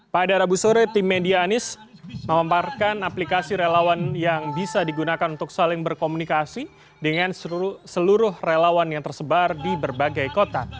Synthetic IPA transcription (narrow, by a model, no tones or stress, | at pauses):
padaɾabusoɾɛt̪ɪmːediaːnɪs | məmamparkanaplikasiɾelawanjaŋbisadiɡunakanunt̪ʊksalɪŋbərkomunikasi | dəŋanssəluɾʊhrelawanjaŋt̪ərsəbardibərbaɡajkot̪a̰